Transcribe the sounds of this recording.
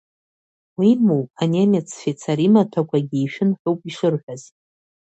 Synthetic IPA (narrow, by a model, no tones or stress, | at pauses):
wimowpʼanemet͡sʰfet͡sʰaɾimatʰakʷʰaɡʲiiʃᶣɪnħʷowpʼiʂɨrħᶣʷaz̥